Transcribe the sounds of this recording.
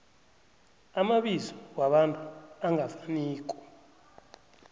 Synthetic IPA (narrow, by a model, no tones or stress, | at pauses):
amaɓizɔwaɓantʼuaŋɡʱafaniːkʼɔ̥